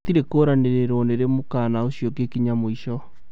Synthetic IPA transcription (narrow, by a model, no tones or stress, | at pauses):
t̪iɾekoːɾaneɾeɾoneɾemokaːnaoɕjokekiɲamoiʃɔ